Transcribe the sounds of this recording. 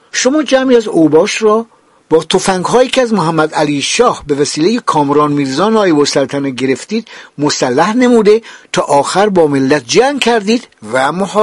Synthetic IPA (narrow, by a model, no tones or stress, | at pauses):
ʃo̞mɒːd͡ʒæmiæzobɒːʃɾɒː | b̥ɒːt̪ʰofæŋɡɦɒːjiːkʰeæzmoɦæmːæd̪æliːʃɒːhbe̞væsiːlejekʰɒːmɾɒːnmiːɾzɒːnɒːjebosælt̪ʰæneɟe̞ɾe̞ft̪iːd̪̥mosælːæhnemuːd̪et̪ʰɒːʔɒːxæɾbɒːmelːæt̪̚ʰd͡ʒæŋɡkʰæɾd̪iːd̪væmoh